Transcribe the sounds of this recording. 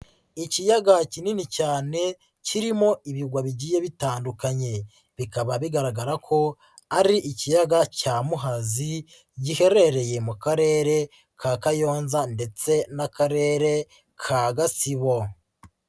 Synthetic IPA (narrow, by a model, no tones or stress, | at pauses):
icijaɡacininicaːne̞ | ciɾimo̞iβiɡwaβiɟiːje̞βitaːndukaɲe̞ | βikaβaβiɡaɾaɡaɾakʰo̞ | aɾiʔicijaɡacaːmuɦazi | ɟihe̞ɾe̞ɾe̞je̞mukaɾe̞ːɾe̞ | kʰaːkajo̞ːnzande̞t͡se̞nakaɾe̞ːɾe̞ | kʰaːɡasiβo̞